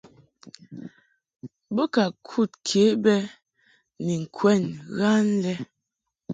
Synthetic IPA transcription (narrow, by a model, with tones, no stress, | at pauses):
bɔ˦ka˨kʰu˦˨t̚kʰe˨˦bɛ˦ | ni˨ŋ̩˨kʰwɛ˦˨nɣa˦n˦lɛ˦